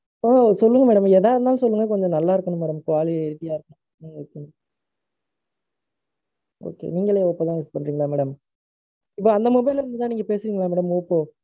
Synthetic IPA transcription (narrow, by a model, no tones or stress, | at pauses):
asɔlːɯŋɡɐmɛːɽɐmɛðaːʋɾɯnd̪aːl̃sɔlːɯŋɡɐkɔɲd͡ʒɔ̃nɐlːaːɪɾɯkːɐɳɯ̃mɛːɽɐmkʋaːliɛɾɪɪjaːɪɾɯkːɐñ | niɾkːɯn | o̰ːkḛːniːŋɡɐɭeːoːpːot̪ãːʋɛspɐɳːɾiːŋɡɐɭaːmɛːɽɐm | ɪpːoːɐnd̪ɐmʊbɐɪlɐɾɯnd̪ɯt̪ãːniːŋɡɐpeːsɪɾiːŋɡɐɭaːmɛːɽɐmoːpːoː